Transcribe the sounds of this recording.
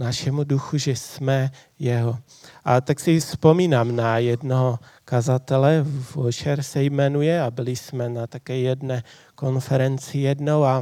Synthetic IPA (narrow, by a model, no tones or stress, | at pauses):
naʃɛmuduxuʒɛsmɛ | jɛɦo | ʔat̪aksɪfspo̞miːnaːmnajɛdnoɦokazat̪ɛlɛvot͡ʃɛɾsɛjmɛnujɛabɪlɪsmɛnat̪akɛːjɛdnɛː | ko̞nfɛɾɛnt͡sɪjɛdno̞wa